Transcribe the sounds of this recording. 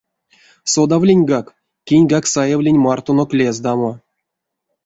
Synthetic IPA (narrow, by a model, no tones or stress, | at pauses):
sod̪avlʲinʲɡɑk | kʲːinʲɡɑksajevlʲinʲmɑrt̪onoklʲezd̪ɑmo